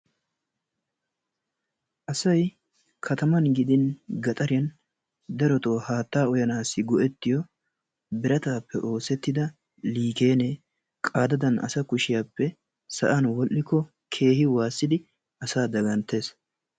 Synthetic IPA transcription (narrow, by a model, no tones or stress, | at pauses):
ʔɐsɐj | kʰɐt̪ɐmɐnɡɪd̪ɪnɡɐt̪ʼɐɾɪjɐn | d̪ɐɾɔt̪o̞ːhaːt̪ːaːɔjɐnaːsːɪɡɔʔɛt̪ːɪjɔ | bɪɾɐt̪aːpːɛʔo̞ːsɛt̪ːɪd̪ɐ | liːke̞ːne | kʼaːd̪ɐd̪ɐnɐ̰sɐkʊʃɪjaːpːɛ | sɐ̰ʔɐnwɔlʔːɪkːɔ | kʰe̞ːhɪwaːsːɪd̪ɪ | ɐsaːd̪ɐɡɐnt̪ːe̞ːs